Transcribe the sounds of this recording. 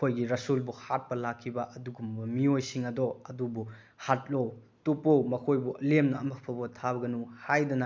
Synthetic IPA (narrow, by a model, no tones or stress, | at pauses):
kʰojɡiɾɐsulbuhat̚pɐlakʰːibɐʔɐduɡumbɐmiojsiŋɐdɔɐdubu | hat̚low | tupowmɐkʰojbuʔɐlemnɐːmɐkpʰɐbɐtʰaβɐɡɐnuhajdɐnɐ